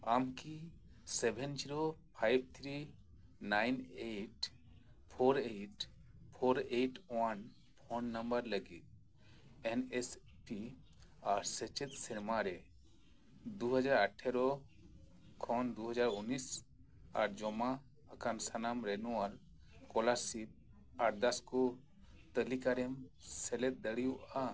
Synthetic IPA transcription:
amkisebʱɛnd͡ʒiɾopʰajb̚ʱt̪ʰɾi | najneʈ | pʰoɾeʈpʰoɾeʈwan | pʰɔɳɖnəmbəɾləɡit̪̚ | enes | ʈi | aɾset͡ʃet̪sɛɾmaɾɛ | d̪uɦəd͡ʒaɾəʈʰːɛɾɔ | kʰɔnd̪uɦəd͡ʒaɾunːis | a̰ɾd͡ʒɔma | əkansanamɾɛnuaɾ | kɔlaɾsip̚ | aɾd̪askɔ | t̪əlikaɾɛmsɛlɛt̪̚d̪əɽijuʔa

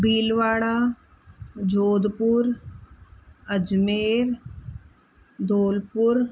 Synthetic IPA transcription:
biːlʋaːɽaː | d͡ʒoːd̪pʊɾ | əd͡ʒmeːɾ | d̪oːlpʊɾ

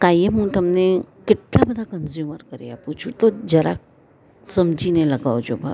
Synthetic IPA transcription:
kajeɦũt̪əmnekɪʈlabəd̪ʱakənzjuːməɾkəɾja̰pũt͡ʃʰũt̪od͡ʒəɾa̰ | səmd͡ʒʱineləɡaʋd͡ʒobʱa̰

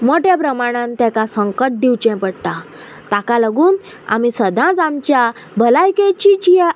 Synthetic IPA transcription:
moʈjapɾəmaɽ̃ãnt̪ɛ̃kasəŋkəʈ̚d̪iwt͡ɕɛ̃pəɽt̪a | t̪akaləɡuːn | a̰misəd̪ʱãd͡zamt͡ɕja | bʱəlajkẽt͡ɕit͡ɕi

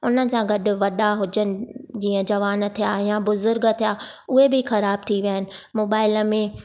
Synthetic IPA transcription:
ʊnənɪ̆sãɡɐɗʊ̆ʋɐɗaɦʊd͡ʑənɪ̆d͡ʑiːə̃d͡ʑɐʋaːn̆t̪ʰijajãbʊzʊɾɡət̪ʰijaʊɦebɪxɐɾaːb̚t̪ʰiʋjaːɪnɪ̆moːbaːɪləmẽ

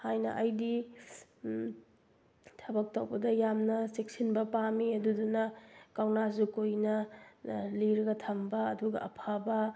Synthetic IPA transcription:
hajnɐ̰ʔɐjdi | tʰɐbɐk̚tawbɐdɐjamnɐsek̚sinbɐpamiɐdudunɐkawnazukojnɐ | liɾɐɡɐtʰɐmbɐːduɡɐ̰ɐ̰pʰabɐ

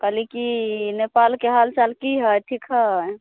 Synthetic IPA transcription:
kalikinepalkeɦalt͡ʃalkiɦəjʈʰikɦəj

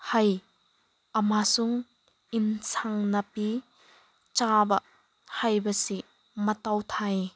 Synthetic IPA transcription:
hɐj | ʔɐmasuŋ | insʰaŋnɐpi | t͡ʃabɐ | hɐjbɐsi | mɐt̪ɐwt̪ʰaj

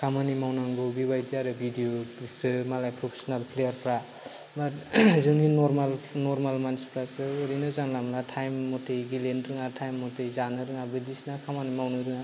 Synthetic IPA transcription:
kʰamanimawnaŋɡɯbibajdiaɾɯbʱidioisɾɯmalajpʰɾɔpʰe̥sɔnalpʰlejaɾpʰɾa | baɾzɯninɔɾmalnɔɾmalmanspʰɾasɯɔɾinɯzaŋlamlatʰajmːɔtʰejɡilenɾɯŋatʰajmːɔtʰejzanɯɾɯŋabɯdisnakʰamanimawnɯɾɯŋa

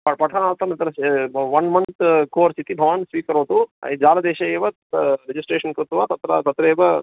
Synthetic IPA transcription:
pɐpɐʈʰɐnaːlt̪ɐmit̪ɐɾɐʋɐnmɐnt̪ʰkoːɾsit̪ibʱɐʋaːnsʋiːkɐɾoːt̪ṵd͡ʒaːlɐd̪eːʃɐjeːʋɐ | ɾed͡ʒisʈɾeːʃɐnkɾut̪ʋat̪ɐt̪ɾɐt̪ɐt̪ɾɐeːʋɐ

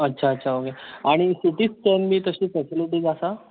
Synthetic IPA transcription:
ətːɕʰaətːɕʰaokeaɽ̃isiʈiːt͡st͡ɕənmiːt̪əɕiːpeseluʈiːd͡zasa

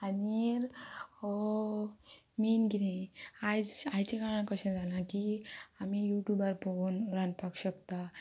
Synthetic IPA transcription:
aniɾo | minɡiniajd͡zajt͡ɕekaɭakəɕɛ̃d͡zalãkiamijuʈjubəɾpounɾanpakɕəkt̪a

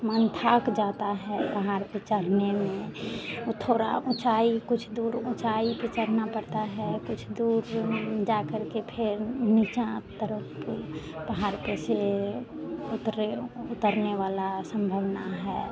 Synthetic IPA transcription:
mənt̪ʰaːkd͡ʒaːt̪aɦɛbəɦaɾpet͡ʃəɽ̤nemẽot̪ʰoːɾa̰ʊ̃t͡ʃaikʊt͡ʃʰd̪uːɾʊ̃t͡ʃaipet͡ʃəɽ̤napəɾt̪aɦɛkʊt͡ʃʰd̪uːɾd͡ʒakəɾkepʰɪɾnit͡ʃãt̪əɾəp | bəɦaɾpese | ʊt̪ɾeʊt̪əɾneʋalasə̃mbʱəʋnaɦɛ

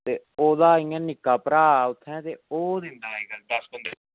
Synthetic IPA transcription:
t̪eːoːd̪aːiːãːnɪkːaːpəɾaːʊt̪ʰːɛ̃ːt̪ḛːoːd̪ɪnd̪aːeːɡaːd̪əsbɪnd̪

